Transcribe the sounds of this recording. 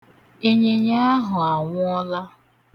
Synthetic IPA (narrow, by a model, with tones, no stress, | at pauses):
e˦ɲe˦ɲa˦a˦ɦʊ˨a˨ŋʷʊ˦ɔ˦la˦